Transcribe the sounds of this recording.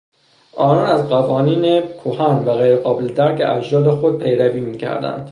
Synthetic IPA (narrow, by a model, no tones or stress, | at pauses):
ʔɒːnɒːnæzɢævɒːniːnekʰohɒːnvæɣejɾeɣɒːbeled̪æɾcḛʔæd͡ʒdɒːlexod̪̚pʰejɾæviːmiːcʰæ̰ɾd̪æ̰nd̪̥